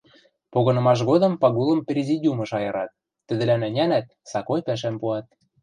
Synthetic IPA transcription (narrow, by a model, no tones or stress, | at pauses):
poɣɤ̆nɤ̆mɑʃ̬ɣod̪ɤ̆mpɑɣulɤ̆mprʲezʲidʲumɤ̆ʃɑjɤ̆ɾɑt̪̚ː | ɘ̆d̪ɘ̆lænɘ̆nʲænæt̪̚ | sɑkojpæʃ̬æmpuɑt̪̚